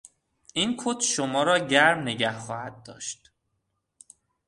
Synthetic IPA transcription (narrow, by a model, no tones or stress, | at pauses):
ʔinkʰot̪ʰʃomɒːɾɒːɟæɾmneɟæhxɒːhæd̪̚ːɒ̰ːʃt̪